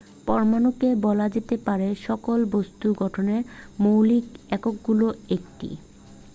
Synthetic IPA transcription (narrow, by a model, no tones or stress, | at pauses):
pɔɾmanukebɔlad͡ʑet̪epaɾeʃɔkolbost̪uɡɔʈʰoneɾmowlikɛkok̚ɡuloek̚ʈḭ